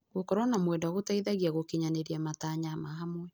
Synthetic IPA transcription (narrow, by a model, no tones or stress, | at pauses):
ɣokɔɾwɔnamwɛndaɔɣotaiðaɣiaɣokiɲaneɾiamataɲamaɦamwɛ